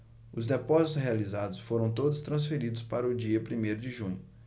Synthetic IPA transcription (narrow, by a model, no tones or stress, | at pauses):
ʊzd̪epɔzit̪ʊshealizad̪ʊsfoɾɐ̃w̃t̪od̪ʊst̪ɾɐ̃s̬feɾid̪ʊspaɾɐʊd͡ʒiɐpɾimejɾʊd͡ʒɪʒũɲʊ